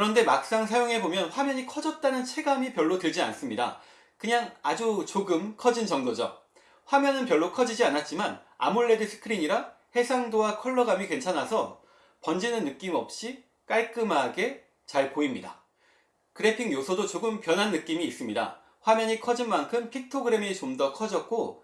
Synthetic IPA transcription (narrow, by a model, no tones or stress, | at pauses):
kɯɾʌnde̞mak̚s͈aŋsʰajoŋe̞bomjʌnɸwamjʌɲikʰʌd͡ʑʌt̚t͈anɯnt͡ɕʰe̞ɡamipjʌɭːotɯɭd͡ʑia̰ns͈ɯmɲida̰ | kɯɲaŋad͡ʑut͡ɕoɡɯmkʰʌd͡ʑint͡ɕʌŋdod͡ʑʌ̰ | ɸwamjʌnɯnpjʌɭːokʰʌd͡ʑid͡ʑianat̚t͡ɕ͈iman | a̰muɭːe̞dɯsʰɯ̥kʰɯɾiɲiɾa | he̞sʰaŋdowakʰʌɭːʌɡamikwe̞nt͡ɕʰanɦasʰʌ | pʌnd͡ʑinɯnːɯk͈imʌp̚ɕ͈i | k͈aɭk͈ɯmɦaɡe̞ | t͡ɕaɭpoimɲida̰ | kɯɾepʰiŋjosʰʌdot͡ɕoɡɯmpjʌnɦanːɯk͈imiːs͈ɯmɲida̰ | ɸwamjʌɲikʰʌd͡ʑinmankʰɯmpʰik̚tʰoɡɯɾe̞mit͡ɕomdʌkʰʌd͡ʑʌk̚k͈o